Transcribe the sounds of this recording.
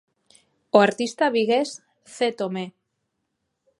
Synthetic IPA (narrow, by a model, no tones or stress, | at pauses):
oaɾt̪ist̪aβiɣes | θet̪ome